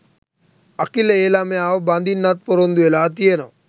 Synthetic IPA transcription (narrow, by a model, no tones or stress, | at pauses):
ɐkileeːlamẽaːʋbãːnd̪iːnːat̪̚pəɾõnd̪uelaːt̪iena